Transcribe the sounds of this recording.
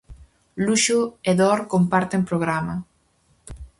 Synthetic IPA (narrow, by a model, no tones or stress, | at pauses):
luʃueðɔɾkompaɾt̪empɾoɣ̞ɾama